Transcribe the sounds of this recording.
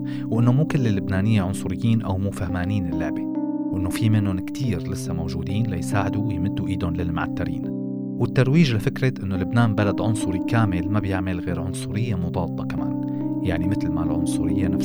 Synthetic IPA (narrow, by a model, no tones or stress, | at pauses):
wʔɪnːomuːkɪlːɪlːʊbnaːnɪjːaʕʊnsˤʊɾɪjːiːnʔawmuːfahmaːniːnɪlːɪʕbiwʔɪnːofimɪnːʊnkt̪ʰiːɾlɪsːamowʒuːd̪iːnlajsaːʕɪd̪uwjmɪd̪ːuʔiːd̪ʊnlɪlmaʕat̪ːaɾḭːn | wɪt̪ːɑɾˤwiːʒlɪfɪkɾɪt̪ʔɪnːolʊbnaːmbalad̪ʕʊnsˤʊɾikaːmɪlmabjɪʕmɪlɣeːɾʕʊnsˤʊɾɪjːamʊd̪ˤɑːlt̪ˤɑkama̰ːn | jaʕnimɪt̪lmalʕʊnsˤʊɾɪjːanaf